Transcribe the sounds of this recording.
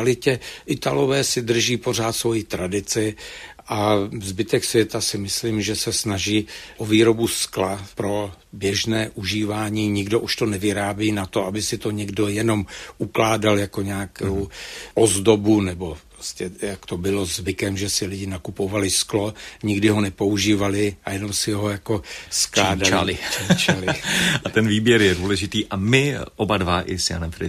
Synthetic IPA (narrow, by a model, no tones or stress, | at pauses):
alɪcɛʔɪt̪alo̞vɛːsɪdr̩ʒiːpo̞r̝aːt̪svo̞jit̪ɾadɪt͡sɪ | ʔazbɪt̪ɛksvjɛt̪asɪmɪsliːmʒɛsɛsnaʒiːʔoviːɾo̞busklapɾo̞ | bjɛʒnɛːʔuʒiːvaːɲiːɲɪɡdo̞ʔuʃt̪o̞nɛvɪɾaːbjiːnat̪o̞abɪsɪt̪o̞ɲɛɡdo̞jɛno̞mʔuklaːdaljako̞ɲaːkowʔozdo̞bunɛbo̞pɾoscɛjakt̪o̞bɪlo̞zvɪkɛmʒɛsɪlɪɟɪnakupo̞valɪsklo̞ɲɪɡdɪɦo̞nɛpo̞uʒiːvalɪajɛno̞msɪɦo̞jako̞sklaːdala̰lɪat͡ʃalɪat̪ɛnviːbjɛɾjɛduːlɛʒɪt̪iːʔamɪʔobadvaʔɪ̰sja̰nɛmfɾɪ